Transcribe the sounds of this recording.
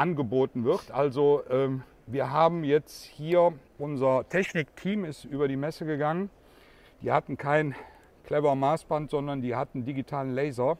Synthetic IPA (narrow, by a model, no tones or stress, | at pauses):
ʔanɡəboːtn̩vɪʁtʔalzoʔɛːm | viːɐɦaːbm̩jɛt͡sthiːɐʔʊnzɐtʰɛçnɪk̚tʰiːmɪstʔyːbɐɾiːmɛsəɡəɡaŋən | d̥iːhatn̩kʰaɪn | kl̥ɛvɐmaːsb̥antz̥ɔndɐndiːhatn̩diɡitʰaːlənlɛɪzɐ